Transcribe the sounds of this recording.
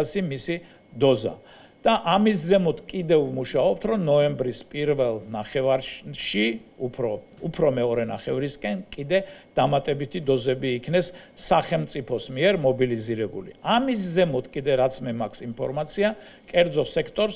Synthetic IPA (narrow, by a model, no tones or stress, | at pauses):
simisi | d̪ɔza̰ | d̪̥aʔamiszɛmɔt̪ʰkʼid̪ɛvmuʃaɔp̚t̪ʰɾɔnɔɛmbɾispʼiɾvɛlˠnaχɛvaɾʃiupʰɾɔ | upʰɾɔmɛɔɾɛna̰χɛvɾiskʼɛnkʼid̪ɛd̪̥amat̪ʼɛbit̪ʰid̪ɔzɛbiːkʰnɛsːaχɛmt̪sʼipʰɔsmiɛɾmɔbiliziɾɛbṵlḭamis̬zɛmɔt̪ʰkʼid̪ɛɾat̪sʰmɛmakʰsimpʰɔɾmat̪sʰia | kʼɛɾd̪zɔsɛkʰt̪ʼɔɾs